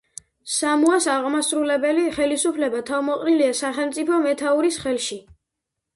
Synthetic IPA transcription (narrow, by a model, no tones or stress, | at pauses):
samuasaʁmasɾulɛbɛliχɛlisupʰlɛbat̪ʰavmɔqʼniliasaχɛlˠmt̪sʼipʰɔmɛt̪ʰauɾisχɛlˠʃi